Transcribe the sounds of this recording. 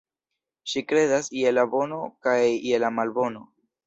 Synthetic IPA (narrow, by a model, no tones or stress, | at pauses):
ʃikɾe̞dasielabo̞no̞kajielamalbo̞no̞